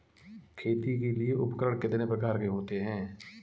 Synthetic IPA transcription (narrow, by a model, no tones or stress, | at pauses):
kʰeːt̪ikelieʔʊpkəɾəɽkɪt̪nepɾəkaːɾkeɦoːt̪eɦɛ̃ː